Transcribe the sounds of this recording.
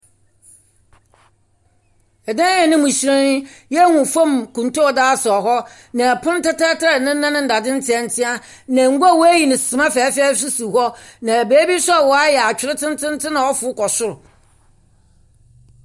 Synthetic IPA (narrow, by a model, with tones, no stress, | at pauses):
ɛ˨dã˦ɛ̃˨nɪ̃˦mũ˨ɕi˨ɾã˦n˦jɛ˦ŋʊ̃˨fɔ̃˦˨mkũ˨nto˦˨daː˦sʊ˨ɔ˨ɦɔ˦ | nã˨pʰʊ̃˦n˦ta˦tɛ˦tʰa˦˨nɪ̃˦nã˦nɪ̃˦n̩˨da˨dɪ̃˦n̩˦tʰɪ˨ɛ˨n̩˦tʰɪ̃˦a˦ | nã˨ŋ̩˦ɡʷa˦˨wɔ˦æ˦ji˨nɪ̃˨sɪ˨mã˦fɛː˨˦fɛː˦s̬ʊ˦su˨hɔ˦nã˨æ˨beː˦bi˦sɔ˦˨wɔ˨a˦jɛ˨a˨t͡ɕᶣɪ˨ɾɪ˦tʰɪ̃˦n˦tʰɪ̃˦n˦tʰɪ̃˦nã˨ɔ˦fʊ˨˦kʰɔ˨sʊ˦ɾʊ˨